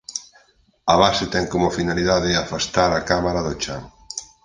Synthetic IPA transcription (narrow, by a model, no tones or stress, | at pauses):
ɐβasɪt̪ɛŋkomofinaliðaðɪafast̪aɾakamaɾaðot͡ʃaŋ